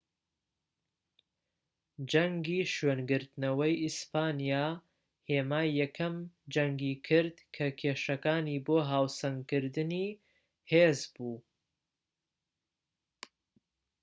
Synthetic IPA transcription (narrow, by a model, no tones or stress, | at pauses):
d͡ʒɐŋɡiːʃɥeːnɡɨɾt̪nɐwɐjispaːnijaː | heːmaːjɐkʰɐmd͡ʒɐŋɡiːkʰɨɾd̪kʰɐkʰeːʃɐkaːniːboːɦaːwsɐŋkɨɾd̪ɨniː | heːzbuː